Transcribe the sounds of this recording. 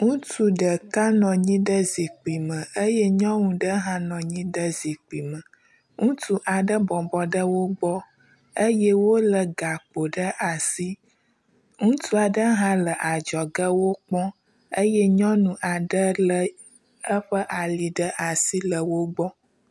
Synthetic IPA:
ŋũ˦t̪u˦ɖə˨ka˦nɔ̃˨ɲĩ˦ɖə˦zi˨k͡pi˨mə̃˨ə˦jɛ˦ɲɔ̃˦ŋũ˨ɖə˦ɦã˦nɔ̃˨ɲĩ˦ɖə˦zi˨k͡pi˨mə̃˨ | ŋũ˦t̪u˦ʔa˨ɖə˦bɔ˨bɔ˨ɖə˦wo˦ɡ͡bɔ˦ | ə˦jɛ˦wo˦lə˨ɡa˨k͡po˨ɖə˦ʔa˨si˦ | ŋũ˦t̪u˦a˨ɖə˦ɦã˦lə˨ʔa˨d͡ʒɔ˨ɡə˦wo˦k͡pɔ̃˦ | ə˦jɛ˦ɲɔ̃˦nũ˨ʔa˨ɖə˦lə˨ | ə˦ɸə˦ʔa˨li˨ɖə˦ʔa˨si˦lə˨wo˦ɡ͡bɔ˦

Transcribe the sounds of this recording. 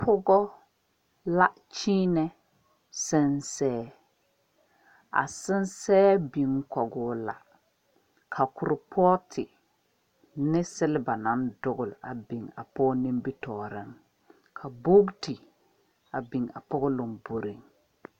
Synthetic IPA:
pʰʊ˦ɡɔ˦ | la˦ | t͡ʃiː˦nɛ˦ | sɪ˦nsɛː˦ | a̰˨sɪ˦nsɛː˦bi˨ŋ˦kɔ˨ɡʊː˦la̰˨ | kʰa˨kʊ˨ɾɪ˨pʰɔː˦tʰɪ˨ | nɪ˦sɪ˦lɪ˦ba˨na˨˦ndʊ˦ɡʊ˨la̰˨bi˨ŋa̰˨pɔː˦nɪ˦mbi˦tɔː˨ɾɪ˦ŋ | kʰa˨bo˦ɡtɪ˨ | a˨bi˨ŋa̰˨pɔ˦ɡɔ˦lʊ˨ŋbo˨ɾi˨ŋ

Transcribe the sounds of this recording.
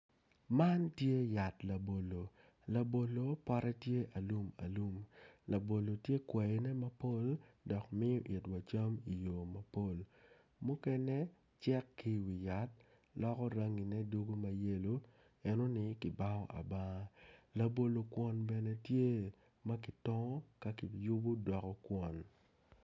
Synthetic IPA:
ma˦ntje˦ja˨tla˨bo˨lo˨ | la˨bo˨lo˨pɔ˦ɾɛ˦tje˦ʔa˨lu˦ma̰˨lu˦mla˨bo˨lo˨tje˦kwɛ˨ji˦nɛ˦mɐ˦po˦˨ldɔ˨kmɪ˦jɔ˦ʔi˨twa˨t͡ʃa˦mi˨jo˨mɐ˨po˦˨l | mʊ˦kɛ˦nɛ˦ | t͡ʃɛ˦kːi˦wi˨ja˦t̚ | lɔ˦kɔ˦ɾa˦ŋi˨nɛ˦du˦ɡo˦ma˨je˦lo˦ | ɛ˦no˦nɪ˦kɪ˨ba˦ɔ̰˦ʔa̰˨ba˦la˨bo˨lo˨kwɔ˨˦nbɛ˨nɛ˦tje˦ | ma˦kɪ˨tɔ˦ŋɔ˦ka˦ki˨ju˦bu˦dɔ˨kɔ˦kwɔ˨n

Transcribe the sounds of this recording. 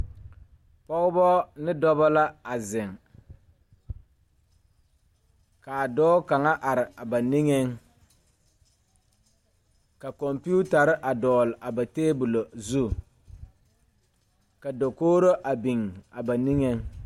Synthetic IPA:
pɔ˦ɣʊ˦bɔ˦nɪ˦dɔ˦ba˦la˦a˨zɪ˨ŋ | ka˨dɔː˦ka˨ŋa˦ʔa˨ɾɪ˨a˨ba˨ni˦ŋe˦ŋ | ka˨kɔ˨mpi˦u˦ta˨ɾɪ˦ʔa˨dɔː˨lɪ˨ʔa˨ba˨teː˦bu˨lo˨zu˦˨ | ka˨do˨koː˦ɾo˦ʔa˨bi˨ŋa˨ba˨ni˦ŋe˦ŋ

